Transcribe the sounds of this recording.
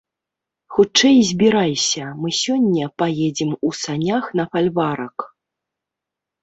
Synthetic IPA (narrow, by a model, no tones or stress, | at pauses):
xut͡ʂt͡ʂɛjzʲbʲiɾajsʲɐmɨsʲɔnʲːɐpajɛd͡zʲimusanʲaxn̪ɐfalʲvaɾɐk